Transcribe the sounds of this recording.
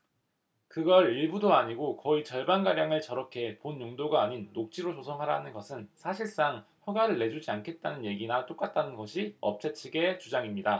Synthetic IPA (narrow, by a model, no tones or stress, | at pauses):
kɯɡʌɾiɭbudoaɲiɡokʌit͡ɕʌɭbanɡaɾjaŋɯɭt͡ɕʌɾʌkʰe̞ponjoŋdoɡaːɲinːok̚t͡ɕ͈iɾot͡ɕʰosʰʌŋɦaɾanɯnɡʌsʰɯnsʰaɕʰiɭs͈aŋɸjʌɡaɾɯɭːe̞d͡ʑud͡ʑiankʰe̞t̚t͈anɯnje̞ɡinat͈ok͈at̚t͈anɯnɡʌɕʰiʌp̚t͡ɕ͈ʰet͡ɕʰiɡe̞t͡ɕud͡ʑaŋimɲida